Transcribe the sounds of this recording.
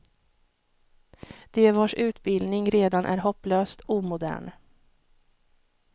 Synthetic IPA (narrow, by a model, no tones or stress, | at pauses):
d̪̥eːvɑːʂʉ̟ːt̪bɪld̪nɪŋɾeːd̪anʔæ̰ɾɦɔpːløːst̪uːmʊd̪æ̰ːɳ